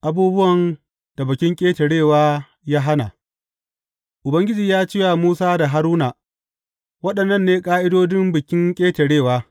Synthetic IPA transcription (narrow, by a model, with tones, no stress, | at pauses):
ʔa˨buː˦bʊ˦wɐ˨n | d̥a˨bɐ˨kʲɪ˦ŋkʲʼeː˦tɐ˨ɽeː˦˨waː˦ | jaː˦ɦa˦na˨ | ʔʊ˨bɐ˦ŋɡʲɪ˦d͡ʒiː˨jaː˦t͡ʃɪ˦ja˨muː˦saː˦da˨ɦa˦ɾuː˦na˨ | wɐ˦ɗɐ˨nːɐ˦˨nːeː˦kʼaː˦ʔɪ˦doː˦dɪ˦mbɪ˨kʲɪ˦ŋkʲʼeː˦tɐ˨ɽeː˦˨waː˦